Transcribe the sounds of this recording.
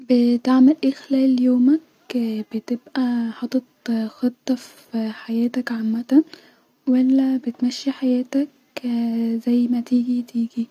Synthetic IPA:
bet̪aʕmelʔeːxlæːljoːmæk | b̥et̪ebʔæħɑt̪ˤːɑt̪xɑt̪ˤːɑf | iħajæːt̪ækʕamːæt̪æ | wælːæbet̪mæʃːiħajæːt̪æk | zæjːmæt̪iːɡit̪iːɡi

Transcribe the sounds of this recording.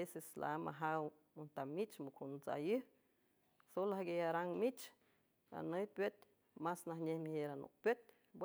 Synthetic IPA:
esesla̰ama̰ɦaw | munt̪amit͡ʃmukʰunt͡sa̰jɨh | solahɡejaɾaŋmit͡ʃ | a̰nɨjpjet̪̚ | masnahɲʲehmiheɾanṵpʲet̪̚ | b

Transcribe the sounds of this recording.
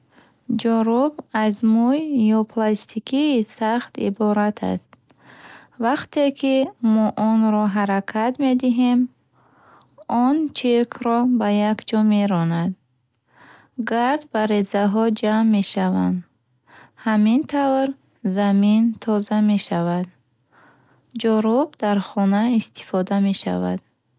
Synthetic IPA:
d͡ʒɔɾubazmujːɔpʰlast̪ʰikʰiːsaχt̪ḭbɔɾat̪ʰa̰st̪̚ | vaqt̪ʰe̞kʰimɔʔɔnɾɔɦaɾakʰat̪me̞d̪iɦem | ɔnt͡ʃʰiɾkʰɾɔbajakd͡ʒɔme̞ɾɔnad̪ | ɡaɾd̪baɾezaɦɔd͡ʒamːe̞ʃavand̪ | hamint̪ʰavɾ | zamint̪ʰɔzame̞ʃavad̪ | d͡ʒɔɾubd̪aɾχɔnaist̪i̥fɔd̪ame̞ʃa̰va̰d̪̥

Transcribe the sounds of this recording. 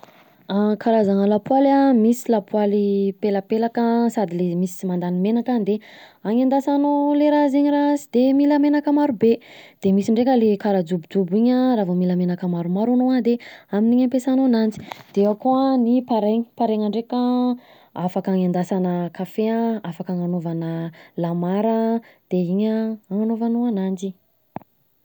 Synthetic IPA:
akʰaɾazanəlapwalamisilapwalipelapelakəsad̪ilemisi̥mand̪animenakand̪e | aŋend̪asanoleɾazeɲiɾasid̪̥emilamenakəmaɾube | d̪̥emisiɳɖ͡ʐekʲəlekaɾad͡zubud͡zubiɲəɾavomilamenakəmaɾumaɾanoad̪eaminiɲampesanonand͡zi̥d̪̥eevakoanipaɾeɲi̥paɾeŋaɳɖ͡ʐekə | afakaŋend̪asanəkafeãafakaŋanovanəlamaɾəd̪̥eiɲəaŋanovanoanand͡ʒi

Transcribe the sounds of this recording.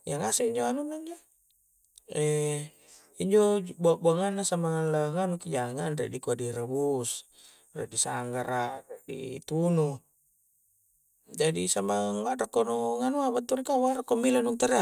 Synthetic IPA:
jaŋasɛiɲd͡ʒoanunaiɲd͡ʒo | ɛ | iɲd͡ʒobuaʔbaŋanːasamaŋanlaŋanukid͡ʒaŋanra̰ʔdikuadiɾabus | rɛ̰ʔdisaŋɡaɾareʔdḭt̪unu | d͡ʒadisamaŋwaʔrakːonuŋanuabat̪ːuɾikawaɾakɔmilanuŋt̪aɾa

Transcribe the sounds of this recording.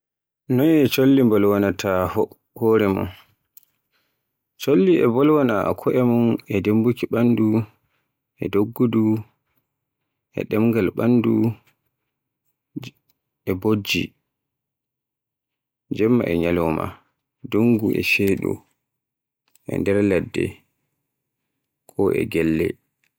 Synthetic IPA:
nɔnɛt͡ʃolːimbɔlwanatʰah | hɔɾɛmɔ̰n | t͡ʃolːiʔɛbɔlwana̰kʰɔʔɛmɔnɛdembukiɓandu | ʔɛ̰doɡːudu | ʔɛ̰ɗɛmɡalɓanːdu | ɛbod͡ʒːḭ | d͡ʒɛmːa̰ʔɛɲalɔma̰ | doŋɡuʔɛ̰ʃeːɗṵ | ʔɛ̰ndɛɾlɛdːɛ̰ | kʰɔʔɛ̰ɡɛlːɛ̰

